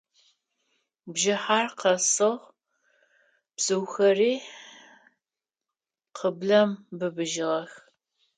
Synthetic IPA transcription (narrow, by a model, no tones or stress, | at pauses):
bʒɪħaːrqɐsɨʁ | b̥sɨwxɐriː | qʰəbɮɐmbɨbɨʒɪʁɐx